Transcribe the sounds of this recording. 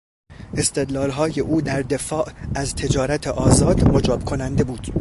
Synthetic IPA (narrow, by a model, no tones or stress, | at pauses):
ʔe̞st̪e̞d̪lɒːlɦɒːje̞ʔuːd̪æɾd̪e̞fɒːʔæzt̪ʰe̞d͡ʒɒːɾæt̪ʰeʔɒːzɒːd̪mod͡ʒɒːb̥kʰo̞nænd̪e̞buːd̪̥